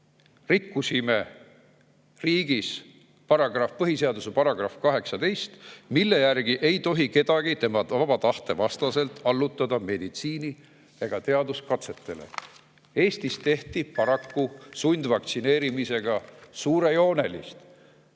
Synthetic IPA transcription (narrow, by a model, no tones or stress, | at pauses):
rikːusime̞ | riːɡis | pɑɾɑɡ̥rɑfpɤɦise̞ɑd̪usepɑɾɑɡrɑfkɑɦe̞ksɑd̪e̞jst̪milːe̞jærɡ̥iʔe̞jt̪o̞ɦike̞d̪̥ɑɡ̥it̪e̞mɑɑbɑt̪ɑht̪e̞vɑst̪ɑse̞lt̪ːˑɑlːut̪ːˑɑd̪ɑme̞d̪̥it̪siːni | eɡ̥ɑt̪e̞ɑd̪uskɑt̪se̞t̪ːe̞lḛ | e̞ːst̪ist̪e̞ht̪ipɑɾɑkːusunʲd̪vɑkt̪sine̞ːɾimise̞ɡ̥ɑsuːɾe̞jo̞ːne̞lḭst̪